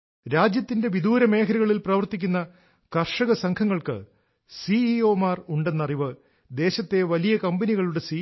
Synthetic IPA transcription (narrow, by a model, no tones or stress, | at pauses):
ɾaːd͡ʑjɐt̪ːinde̞ʋid̪uːɾɐme̞ːkʰɐɾuɣɐɭilprɐʋɐrt̪ikʲːunːɐ | kɐrʂɐɣɐsɐŋkʰɐŋːɐɭkɨ̰ | siio̞ːmaːruɳɖe̞nːɐriʋɨ | d̪e̞ːɕɐt̪ːe̞ʋɐlijɐkɐmbɐniɣɐɭuɽe̞si